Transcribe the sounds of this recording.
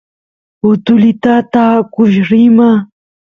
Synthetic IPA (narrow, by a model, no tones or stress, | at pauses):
ʊt̪ʊlɪt̪at̪aːkʊʃɾɪma